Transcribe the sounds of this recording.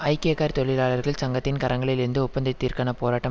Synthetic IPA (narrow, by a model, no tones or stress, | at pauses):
ɐɪkeːkaːɾt̪ɔɭɪlaːɭɐɾɣɐɭsɐŋɡɐt̪ːɪnkɐɾɐŋɡɐɭɪlɪɾɯnd̪ɯʊpːɐnd̪ɪt̪ːiːɾkaːnɐpoːɾaːʈːɐ